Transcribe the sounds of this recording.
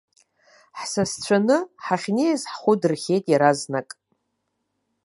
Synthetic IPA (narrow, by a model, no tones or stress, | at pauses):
ħsast͡ɕʷʰanɨħaχʲnejzħχʷʊdɨrχʲe̞jtʼjaɾaznakʼ